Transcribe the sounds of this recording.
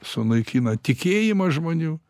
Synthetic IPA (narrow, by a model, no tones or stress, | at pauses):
sʊnɐɪkʲiːnɐt̪ʲɪkʲeːjɪmɐʒmoːnʲuː